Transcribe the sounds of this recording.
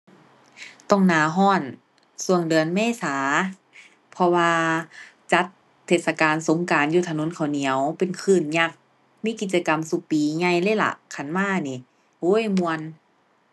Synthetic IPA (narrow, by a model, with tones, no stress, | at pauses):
t̪ɔ˧˩ŋnaː˨˩˦ɦɔː˧˥˩n | su˧˩əŋdɯ˨˧ənmɛː˧˥˨saː˨˦ | pʰɔ˧waː˧ | t͡ɕa˧˦˥t̪ʰː | eː˧˩sa˧kaː˨nso˨˦ŋkaː˨˩njuː˧˩t̪ʰa˧no˧˦˥nkʰa˨˩wni˨˩˦əwpe˨nkʰɯː˧˩nɲa˧˩k̚ | miː˧˥˨ki˧˩t̪̚t͡ɕa˧ka˨msu˧piː˨˦ɲa˧˩jlɤː˧˥˨la̰˧˨kʰa˧˩nmaː˧˥˨niː˧˩ | hoː˧˥˨jmu˧ən